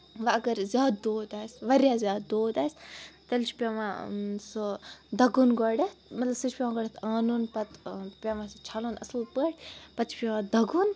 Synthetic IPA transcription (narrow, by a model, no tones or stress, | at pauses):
ʋɐɐɡɐɾzʲjaːd̪ːoːd̪aːsʲʋɐɾjaːzʲjaːd̪ːoːd̪aːsʲt̪ɐlt͡ʃʰpʲeʋasod̪ɐɡunɡɔɽet̪mɐt̪lɐbsɨt͡ʃʰpʲemãɡɔɽet̪ʰaːnunpɐt̪pʲeʋãst͡ʃʰaluːnɐ̰slpəʈʲpɐt̪t͡ʃʰpʲeʋãd̪ʱɐɡun